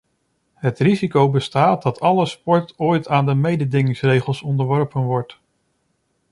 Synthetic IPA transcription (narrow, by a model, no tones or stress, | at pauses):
ɦətrizikowbəstaːt̚dɑtʰɑləspɔɹtoːjtaːndəmejdədɪŋɪŋsrejχəlˠsɔndəɹʋɔɹpənʋɔɹt